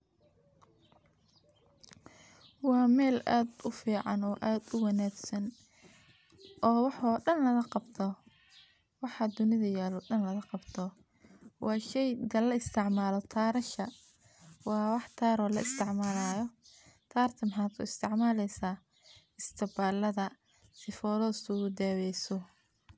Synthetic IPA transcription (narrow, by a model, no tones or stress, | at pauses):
wɑːmɛːla̰ːd̪ʊfiːʕɑ̰nɔːʔaːd̪ʊwɑnaːɡsɐn | ʔɔːwɑħɔːɗɐnlɐɣɐqɑbt̪ʰɔ | wɑħɑd̪ʊnɪðɐjaːlɔːɗɐnlɐɣɐqɑbt̪ʰɔ | wʔɑːʃɛjd̪ɐlɐɪst̪ʰɪʕmaːlɔt̪ʰaːɾɐʃɐ | wɑːwɑħt̪ʰaːɾɔːlɐɪst̪ʰɪʕmaːlaːjɔt̪ʰaːrt̪ʰɐmɑħɑːt̪ʊ̰ɪst̪ʰɪʕmaːlɛjsaː | ɪst̪ʰɐbaːlɐðɐ | sɪfɔːlɔːsʰʊʊd̪ɛːwɛjsɔ